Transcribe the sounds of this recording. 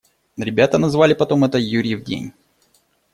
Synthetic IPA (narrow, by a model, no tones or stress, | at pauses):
ɾʲɪbʲat̪ənɐzvalʲɪpɐt̪o̞mɛt̪əjuɾʲɪvdʲḛnʲ